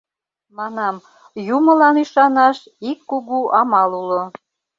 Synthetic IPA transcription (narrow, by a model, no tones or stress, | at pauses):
mɑnɑm | jumə̆lɑniʃɑnɑʃ | ikːuɣuʔɑmɑlulo